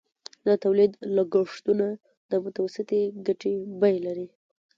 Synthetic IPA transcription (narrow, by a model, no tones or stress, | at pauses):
d̪ət̪awlid̪laɡaʂt̪una | d̪əmʊt̪awasɪt̪eɡaʈebajlaɾi